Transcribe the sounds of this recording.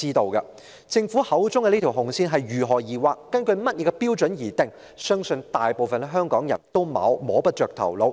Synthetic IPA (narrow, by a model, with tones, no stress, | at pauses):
iː˥t̪o˨˧wkɐ˧ | t͡sɪ˧ŋfuː˨˥hɐ˨˥wt͡sʊ˥ŋkɛ˧niː˥t̪ʰi˨˩wɦʊ˨˩ŋsiː˥nɦɐ˨jɥyː˨˩ɦɔː˨˩jiː˨waː˧kːɐ˥nkɵ˧ɥmɐ˥t̚jɛ˨˧ɛ˧piː˥wt͡ʃɵ˨˥njiː˨˩t̪ɪ˨ŋ | sœː˥ŋsɵ˧nt̪aː˨jpo˨wfɐ˨n˥ɦœː˥ŋkɔː˨˥ŋjɐ̰˨˩nt̪o˥wma̰ː˨˥wmɔː˨˥pɐ˥t̚t͡ʃœː˨k̚t̪ʰɐ̰˨˩wlo˨˧w